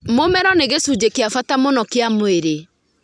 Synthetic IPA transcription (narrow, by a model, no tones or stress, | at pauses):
momɛɾɔneɣesud͡ʑekeafatamonɔkeamweɾe